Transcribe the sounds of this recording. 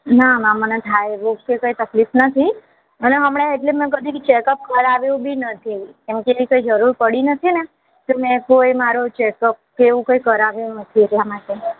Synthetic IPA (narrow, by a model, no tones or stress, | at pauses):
namãmənet̪ʰajʋok̚kekəit̪əklifnət̪ʰi | əneɦəmɽ̃aeʈlemɛ̃k̬əd̪ʱikt͡ʃekəp̚kəɾaʋjũbʱinət̪ʰikemkeeʋikoid͡ʒəɾuɾpəɽinət̪ʰine | t̪omɛ̃kojmaɾot͡ʃekəp̚keʋũkojkəɾaʋjũnət̪ʰieʈlamaʈe